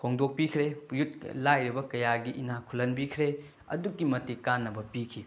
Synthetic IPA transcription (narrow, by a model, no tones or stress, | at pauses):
pʰoŋdok̚pikʰɾejut̚lajɾibɐkɐjaɡiʔinakʰulɐnbikʰɾe | ɐ̰dukːimɐtikanːɐbɐpikʰi